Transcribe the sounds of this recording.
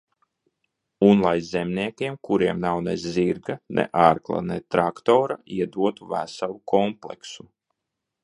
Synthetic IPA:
unlˠajzɛmniɛkʲiɛmkuɾiɛmnawneziɾɡanʔḛʔaɾklˠa̰nɛt̪ɾakt̪oːɾaiɛd̪uɔt̪uvæ̰salˠukɔmplˠɛksu

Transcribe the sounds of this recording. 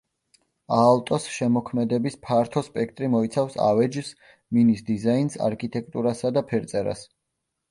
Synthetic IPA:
alˠt̪ʼɔsʃɛmɔkʰmɛd̪ɛbispʰaɾt̪ʰɔspʼɛkʰt̪ʼɾimɔit̪sʰafsa̰vɛd͡ʒs | minisd̪izainsa̰ɾkʰit̪ʼɛkʰt̪ʼuɾasad̪apʰɛɾt̪sʼɛɾa̰s

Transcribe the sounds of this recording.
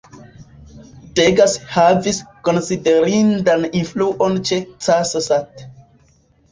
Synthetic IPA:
teɡashaviskonside̞ɾindaninfluʔont͡ʃet͡sasasat

